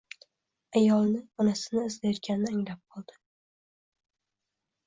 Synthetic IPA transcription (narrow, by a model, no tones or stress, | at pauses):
ajɒlˠnɪɒnasɪnɪːzlajɒt̪̚kʲʰanɪnɪaŋlap̚qʰɒlˠd̪̥ɪ̥